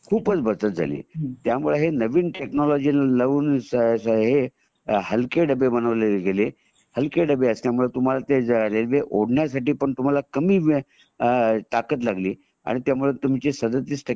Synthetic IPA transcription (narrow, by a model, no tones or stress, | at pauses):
kʰuːpət͡sbət͡sət̪̚d͡zʱa̰lḭːt̪jamuɭeɦenəʋiːnʈeknɔlɔd͡ʑilləʋuːnssəɦe | ɦəlkeɖəbebənəʋleɡele | həlkeɖəbeəst̪jamuɭet̪um̤alat̪eɾelʋeʔoɽɳjasaʈiːpəɳt̪um̤alakəmiːʋ | t̪akət̪laɡliː | a̰ɽ̃it̪jamuɭet̪um̤it͡ɕisəd̪ət̪iːsʈʰə